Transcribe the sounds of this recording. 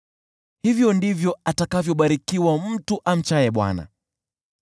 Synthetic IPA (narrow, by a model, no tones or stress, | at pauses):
hivjɔndivjɔatakavjɔɓaɾikiwam̩tuʔam̩t͡ʃajɛɓwa̰na̰